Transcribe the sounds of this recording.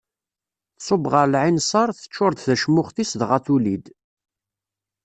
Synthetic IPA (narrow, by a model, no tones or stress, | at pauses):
θsˤobʁəɾlʕinsˤɑɾˤθə̥t͡ʃːʊɾˤd̪θæʃmʊχθisðʁaθulid̪